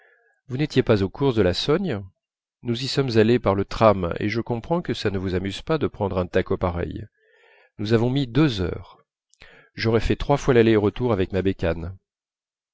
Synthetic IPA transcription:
vunɛt̪jepazokʰuʁd̪əlasɔɲ | nuzisɔmzalepaʁlət̪χamḛʒəkɔ̃pχɑ̃kəsanəvuzamyz̥pad̪əpχɑ̃d̪ʁɛ̃t̪akopaʁɛ̰j | nuzavɔ̃mid̪øzœ̰ːʁ | ʒɔʁɛfɛt̪χwafwalaleʁət̪uʁavɛkmabekan

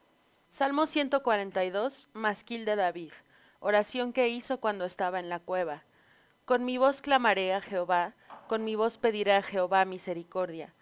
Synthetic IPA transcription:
salmo̞sje̞nt̪o̞kwaɾe̞nt̪ajðo̞s | maskild̪e̞ðaβið | oɾasjo̞ŋke̞iso̞kwand̪o̞e̞st̪aβaenlakwe̞βa | ko̞nmiβ̞o̞sklamaɾe̞axe̞oβa | ko̞nmiβ̞o̞spe̞ðiɾeaxe̞oβamise̞ɾiko̞ɾðja̰

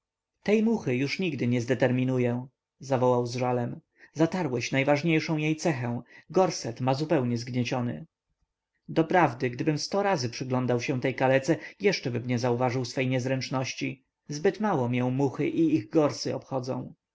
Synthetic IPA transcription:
t̪ɛjmuxɘjuʂɲiɡd̪ɘɲɛzd̪ɛt̪ɛɾmʲinujɛ | zavɔwawzʐalɛm | zat̪aɾwɛɕnajvaʐɲejʂɔ̃w̃jejt̪sɛxɛ̃w̃ɡɔɾsɛt̪mazupɛwɲɛzɡɲɛt͡ɕɔnɘ̰ | d̪ɔpɾavd̪ɘɡd̪ɘbɘmst̪ɔɾazɘpʂɘɡlɔnd̪awɕɛ̃t̪ɛjkalɛt̪sɛjɛʂt͡ʂɛbɘmɲɛzauvaʐɘwsfɛjɲɛzɾɛnt͡ʂnɔɕt͡ɕi | zbɘt̪mawɔmjɔ̃w̃muxɘʔiiɣɡɔɾsɘɔ̰pxɔd̪zɔ̰̃w̃

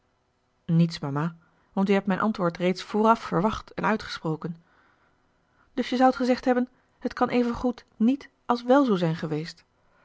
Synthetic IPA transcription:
nitsmamaː | ʋɑntyɦɛp̚mɛjnʔɑ̰ntʋʊːɹtrejtsfoːrɑffəɹʋɑχtɛnœɥtχə̥sprowkən | d̥ɵsjəzʌwətχəzɛχtɦɛbən | hətkɑnʔejvənχut | nit | ʔɑlˠsʋɛlˠzowzɛjnχəʋejst

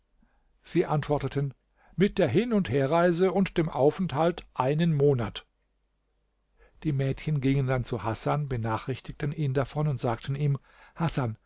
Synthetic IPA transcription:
z̥iːʔantv̥ɔɐtətʰən | mɪt̚d̥eːɐɦɪnʊntheːɐʁaɪzəʊntd̥eːmʔaʊfɛnthaltʔaɪnənmoːnat | d̥iːmɛːtçənɡɪŋəndant͡suhasanbənaːχʁ̥ɪçtɪk̚tənʔiːndafɔnʊntz̥aːk̚tʰən̩iːm | hasan

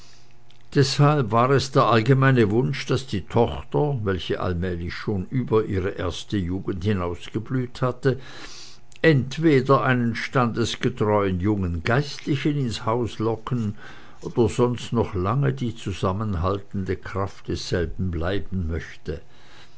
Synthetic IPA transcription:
d̥ɛshalpvaːʁɛsd̥eːɐʔalɡəmaɪnəvʊnʃd̥asd̥iːtʰɔχtɐvɛlçəʔa̰lmɛːlɪçʃoːnʔyːbɐʔiːʁəʔeːɐstəjuːɡən̩thɪnaʊsɡ̥əblyːthatə | ʔɛntv̥eːdɐʔaɪnənʃtandəsɡ̥ətʁ̥ɔʏənjʊŋənɡaɪstlɪçənɪnshaʊslɔkən | ʔoːd̥ɐzɔnstnɔχlaŋədiːt͡suzamənɦaltn̩dəkʁ̥aftd̥ɛsz̥ɛlbn̩blaɪbn̩mœçtə

